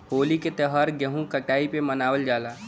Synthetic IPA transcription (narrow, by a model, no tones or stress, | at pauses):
ɦoːliket̪eɦɐɾɡeɦũkɐʈaːipemɐnaːʋəld͡ʒaːlaː